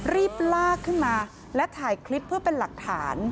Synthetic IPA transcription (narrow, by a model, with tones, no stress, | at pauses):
ɾiː˥˩p̚laː˥˩kʰːɯ˥˩nmaː˧ | lɛ˦˥t̪ʰaː˩˦jkʰli˦˥pʰːɯ˥˩əpe˧nla˨˩k̚t̪ʰa̰ː˩˦n